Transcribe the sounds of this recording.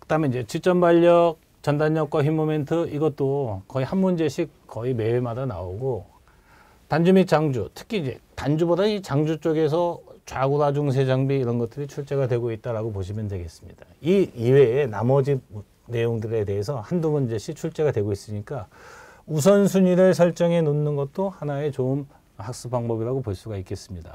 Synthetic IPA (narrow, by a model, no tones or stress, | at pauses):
kɯdamenid͡ʑe̞t͡ɕit͡ɕ͈ʌmbaʎːʌk̚ | t͡ɕʌndaɲːʌk̚k͈waçimːome̞ntʰɯiɡʌt͈̚okʌihanmund͡ʑe̞ɕʰik̚k͈ʌime̞emadana̰oɡo | tand͡ʑumik̚t͡ɕ͈aŋd͡ʑutʰɯ̥kʰiːnd͡ʑe̞tand͡ʑubodait͡ɕaŋd͡ʑut͡ɕ͈oɡe̞s̬ʰʌt͡ɕwaɡudad͡ʑuŋs̬ʰe̞d͡ʑaŋbiːɾʌnɡʌt̚t͈ɯɾit͡ɕʰuɭt͡ɕ͈e̞ɡadwe̞ɡoit̚t͈aɾaɡopoɕʰimjʌndwe̞ɡe̞s͈ɯmɲidaiiwe̞ːnamʌd͡ʑi | ne̞joŋdɯɾe̞te̞ɦesʰʌhanduŋɯnd͡ʑeɕʰik̚t͡ɕʰuɭt͡ɕ͈e̞ɡadweɡois͈ɯɲik͈a | us̬ʰʌnsʰuɲiɾɯɭsʰʌɭt͡ɕ͈ʌŋe̞nonːɯnɡʌt̚t͈ohanae̞t͡ɕom | hak̚s͈ɯpaŋbʌbiɾaɡopoɭs͈uɡaik͈e̞s͈ɯmɲida̰